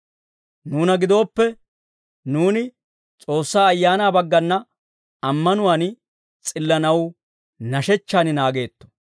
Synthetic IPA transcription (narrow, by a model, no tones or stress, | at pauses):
nuːnɐɡɪd̪o̞ːpːɛ | nuːnɪ | t͡sʼo̞ːsːaːɐjːaːnaːbɐɡːɐnːɐ | ɐmːɐnʊwaːn | t͡sʼɪlːɐnɐw | nɐʃɛt͡ʃːaːnɪnaːɡe̞ːt̪ːɔ̥